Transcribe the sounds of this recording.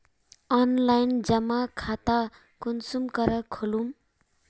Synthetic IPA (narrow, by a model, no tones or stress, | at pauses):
ʌnlajnd͡zʌmakʰat̪a | kunsumkʌɾʌkʰolum